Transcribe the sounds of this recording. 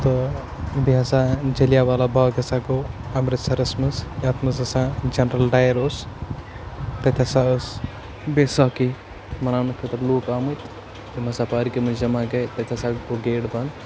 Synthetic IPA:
t̪o | biɦasãd͡ʒɐlijaʋaːlabaːɡɐsaɡoɐmɾɨsɐɾɐsmɐsjaːt̪mɐzɐsãd͡ʒɐnɾɐlɖaːjɾoːs | t̪ɐt̪ʰʲasaəs | beːsaki | mɐnaːnɐkʰet̪ɐɾloːkaːmɨt̪ʰ | t̪imɐsapaːɾikemɐd͡ʒɐmaɡɐjt̪ɐt̪ʰʲasaːɡɡoɡeːɽbɐn

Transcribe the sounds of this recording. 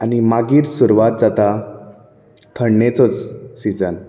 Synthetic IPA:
animaɡiːɾsuɾʋat̪̚d͡zat̪a | t̪ʰəɳːet͡sɔt͡ssid͡zən

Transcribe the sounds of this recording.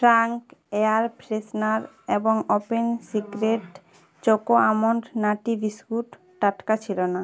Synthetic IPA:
fɾaŋkeaɾpɾesnaɾ | eboŋopensikɾeʈ | t͡ɕokoamoɳʈnaʈibiskuʈː | aʈkat͡ɕʰilona

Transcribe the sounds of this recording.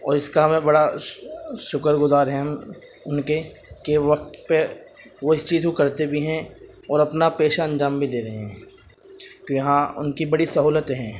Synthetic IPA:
ɔ̰ːɾɪskaɦmẽbɐɽa | ʃʊkəɾɡʊzaːɾɦɛm | ʊnke | keʋɐk̚t̪pe | ʋoɪst͡ʃiːzkokɐɾt̪ebʱiɦɛ̃ | ɔːɾɐpnapeːʃaɐ̃nd͡ʒaːmbʱileːɾɐɦeɦɛ̃ː | kõjɐɦãʊ̰nkibɐɽisɐɦuːlət̪ɦɛ̃ː

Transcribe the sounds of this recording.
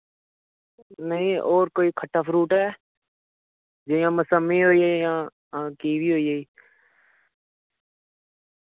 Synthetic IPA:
nəɦĩːʔoːɾkoːiːkʰəʈʰːaːpʰɾuːʈɦɛː | d͡ʒəjãːməsəmːĩːɦoːiːəjãː | kiːʋiːɦoːiːɦəiː

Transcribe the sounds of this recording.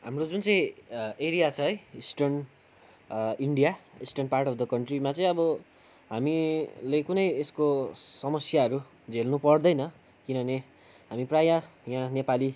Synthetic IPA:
ɦa̰mrod͡zunt͡sʌĩeɾijat͡sʰʌɦʌjisʈʌrn | iɳɖijaisʈʌrnparʈʌb̚d̪ʌkʌɳʈrimat͡sʌ̃ĩʌbʌ | ɦamilekunʌjeskosʌmʌsjaɦʌɾu | d͡zʱelnupʌrd̪ʌjnʌ | kinʌʌne | ɦamiprajajãnepali

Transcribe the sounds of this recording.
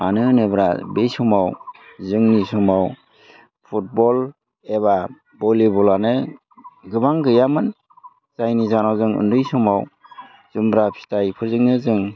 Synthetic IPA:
manɯnebɾa̰bejsɔmawzɯŋnisɔmaw | pʰut̚bɔl | eba | bɔlibɔlanɯ | ɡɯbaŋɡɯjamɯn | zajnizanawzɯŋɯ̰ndɯjsɔmaw | z̥umbɾapʰi̥tajpʰɯɾzɯŋnɯzɯŋ

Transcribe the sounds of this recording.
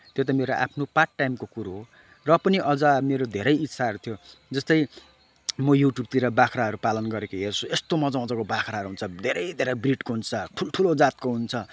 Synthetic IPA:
t̪jot̪ʌmeɾoʔa̰pʰnoparʈːajmkokuɾoɦo | rʌpʌniʔʌd͡zʌmeɾod̪ʱeɾʌjitːsʰaɦʌɾut̪ʰijod͡zʌst̪ʌj | mʌjuʈjub̚t̪iɾʌbakʰɾaɦʌɾupalʌnɡʌɾekoɦert͡sʰuest̪omʌd͡zãʌd͡zʌkobakʰɾaɦʌɾuɦunt͡sʰʌd̪ʱeɾʌjd̪ʱeɾʌjbriʈkoɦunt͡sʰʌʈʰulʈʰulod͡zat̪̚koɦunt͡sʰʌ

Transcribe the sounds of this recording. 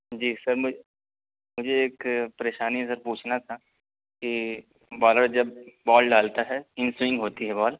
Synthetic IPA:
d͡ʒiːsɐɾmʊ | mʊd͡ʒʱeeːkpɐɾeːʃaːnis̬ɐɾpuːt͡ʃʰnat̪ʰa | ki | bɔːləɽd͡ʒɐbbɔːlɖaːlt̪aɦɛɪ̃nswɪ̃ŋɡɦoːt̪iɦɛbɔːl

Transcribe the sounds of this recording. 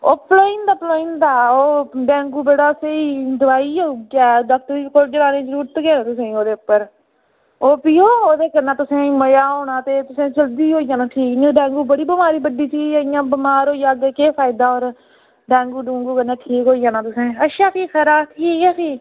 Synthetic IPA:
oːploːɪnd̪aːploːɪːnd̪aːoːɖɛ̃ːŋɡuːbeːɽaːsẽːiːd̪ʊʋaːiːoɡaːd̪əkt̪iːkod͡ʒəɾaːnẽːd͡ʒəɾuːɾt̪ɡeːnːt̪ʊsẽːoːd̪eːʊpːəɾ | oːpiːoːoːd̪eːkəɾnaːt̪ʊsẽːməjaːɦoːnaːt̪eːt̪ʊsẽːd͡ʒəld̪iːɦoːijaːnaːʈʰiːkːɖɛ̃ːŋɡuːbəɽiːbəmaːɾiːbəɖiːsiːɪjãːbəmaːɾɦoːijaːɡkeːpʰaːɪd̪aːoːɾ | ɖɛ̃ːŋɡuːɖũːŋɡuːkənːaːʈʰiːkɦoːiːjaːnãːt̪ʊsẽːəʃaːsiːkʰəɾaːt̪ʰiːoːiaːsiː

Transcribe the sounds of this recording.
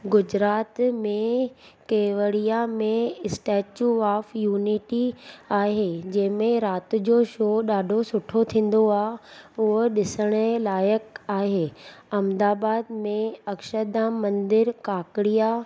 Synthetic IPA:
ɡʊd͡ʑɾaːt̪mẽ | keːʋəɽijamẽɪsʈɛːt͡ɕuːaːfjuːniʈiaːɦeːd͡ʑɐ̃ɦɪ̃mẽɾaːt̪̆d͡ʑoːʃoːɗaːɖʱosʊʈʰot̪ʰĩːn̆d̪oaːʊɦɗɪsəɽ̃əlaːjəkaːɦeːɐmd̪aːbaːd̪mẽɐkʃəɾd̪ãːmɐ̃nd̪ɪɾkaːkɪɽija

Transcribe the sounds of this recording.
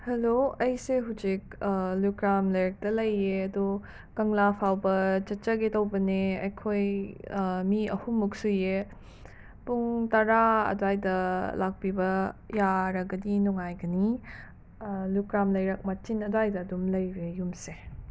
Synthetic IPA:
hɐloɐjseɦud͡ʒik̚lukɾamlɐjɾɐk̚tɐlɐjeɐdu | kɐŋlapʰawbɐt͡ʃɐt̚t͡ʃɐɡetɐwbɐneɐ̰jkʰoj | miɐhumuk̚suje | puŋtɐɾaɐ̰dajdɐlak̚pibɐjaɾɐɡɐdinuŋajɡɐni | lukɾamlɐjɾɐk̚mɐt͡ʃinɐdajdɐːdumlɐjɾejumse

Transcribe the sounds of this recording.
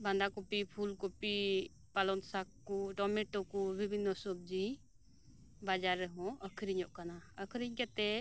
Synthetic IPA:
band̪akopipʰulkopi | palɔnsakːuʈɔmɛʈɔkubʱibʱinːɔsɔbd͡ʒi | bad͡ʒaɾːɛɦɔ̃əkʰɾiɲɔʔkanaəkʰɾiɲkɛt̪ɛ

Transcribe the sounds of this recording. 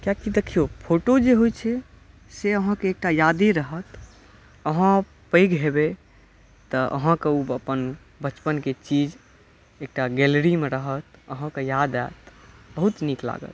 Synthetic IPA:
kjakid̪ekʰijopʰoʈod͡ʒeɦojt͡ʃʰɛ | seəɦãkeːk̚ʈajad̪eɾəɦət̪ | əɦã | pəɪɡɦebe | t̪əə̰ɦãkeuəpən | bət͡ʃpənket͡ʃid͡ʒ | ek̚ʈaɡelɾimeɾəɦət̪əɦãkejad̪a̰t̪bəɦut̪nikla̰ɡə̰t̪

